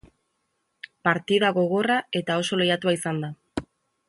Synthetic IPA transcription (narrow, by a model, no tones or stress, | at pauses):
paɾt̪iðaɣo̞ɣ̞o̞rae̞t̪ao̞so̞lejat̪uaisand̪a